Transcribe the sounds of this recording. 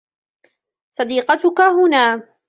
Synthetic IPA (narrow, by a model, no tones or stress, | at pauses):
sˤɑd̪iːqɑt̪ʊkaɦʊnaː